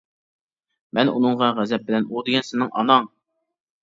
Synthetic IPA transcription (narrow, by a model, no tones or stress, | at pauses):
mɛnṵnɨɴʁɑʁæzɛp̚bɪlɛnud̪ɪɡʲɛnsɪnɪŋʔɑ̰nɑŋ